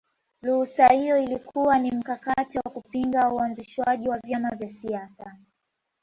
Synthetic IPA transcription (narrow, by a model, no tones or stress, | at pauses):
luhusahijɔilikʰuwanim̩kakatiwakupiŋɡauanziʃwaʄiwavjamavjasiasa